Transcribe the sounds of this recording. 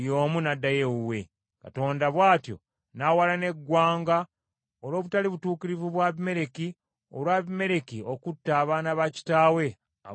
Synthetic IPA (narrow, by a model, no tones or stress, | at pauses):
jo̞ːmunadːajeuwe̞ | ka̰to̞ːndaβwaːtjo̞̰ | nawalane̞ɡwaːŋɡa | olo̞ːβutaliβutuːkiɾivuβwaβime̞ɾe̞ki | olwaːβime̞ɾe̞kio̞kutːaːβaːnaβaci̥taːwe̞ | a̰